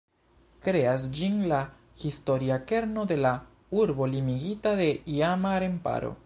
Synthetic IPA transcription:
kɾe̞asd͡ʒinla | histo̞ɾiake̞ɾno̞d̪e̞la | uɾbo̞limiɡitaðe̞iamaɾe̞mpa̰ɾo̞̰

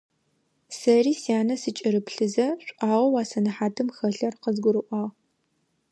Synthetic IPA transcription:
sɐriːsjaːnɐsɨt͡ʃʼɪɾɨpɬɨzɐɕʷʼʔɑːʁʷɐwaːsɐnɨħaːtʰɨmxɐɮɐrqəzɡʷʊɾɨʔʷɑːʁ

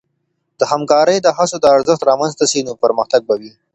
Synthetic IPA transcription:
d̪̥əhamkɑɾəjd̪əɦasod̪əaɾzəxt̪ɾɑmanzt̪aʃinopəɾməxt̪aɡ̚bawi

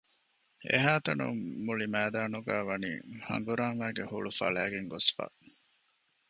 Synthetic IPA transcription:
ʔḛɦaːt̪ɐnṵmuɭimæːd̪aːnuɡæːʋɐniːhɐ̰ŋɡuɾaːmæːɡehuɭufɐ̰ɭæːɡeŋɡosfa̰ː

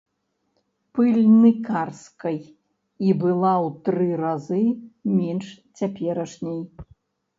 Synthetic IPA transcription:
pɨlʲnɨkarskɐj | ibɨlˠawt̪ɾɨɾazɨmʲɛnʂt͡sʲapʲɛɾɐʂnʲɛj

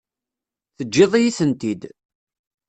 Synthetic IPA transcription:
θəd͡ʒːɪðˤijiθənt̪id̪

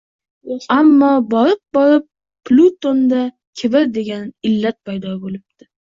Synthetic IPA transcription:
amːɒbɒɾɪp̚bɒɾɪp̚ː | lʲut̪ond̪a | kʲʰebɪɾd̪e̞ɡʲanɪlːat̪̚pʰajd̪ɒbolɪb̚t̪ɪ

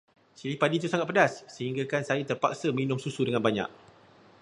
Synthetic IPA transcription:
silipadiːt̪usaŋat̪̚pədasːəɦiŋɡakansajət̪ərpa̰k̚səminʊ̃msusudəŋãnbaɲa̰k̚

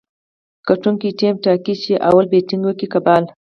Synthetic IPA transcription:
kaʈuŋkiʈemʈakit͡ʃiʔa̰wɐlbeʈɪŋɡwəkikabaːl

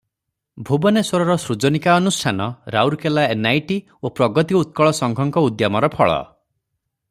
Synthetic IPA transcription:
bʱubɔneswɔɾɔɾɔsɾud͡ʒɔnikaɔnusʈʰanɔɾa̰wɾkelaenajʈi | opɾɔɡɔt̪iut̪̚kɔɭɔsɔŋɡʱɔŋkɔud̪jamɔɾɔpʰɔɭɔ̰

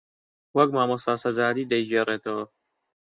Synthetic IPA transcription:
wɐk̚maːmɐsaːsɐzaːɾiːd̪ɐjd͡ʒeːreːt̪ʰɐwɐ

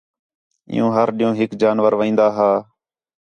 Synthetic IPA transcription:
ɪ̰jṵ̃ːɦəɾɗɪ̃jõːɦɪkd͡ʒaːnʋəɾʋəĩːnd̪aːɦaː

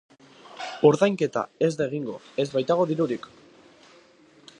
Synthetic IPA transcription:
o̞ɾðajŋke̞t̪a̰e̞zd̪eɣ̞iŋɡo̞̰e̞zβajt̪aɣ̞o̞ðiɾuɾik

